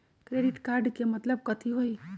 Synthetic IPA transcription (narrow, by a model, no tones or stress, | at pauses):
kɾeɖɪʈkaɾɖkemət̪ləb̚kət̪ʰiɦoi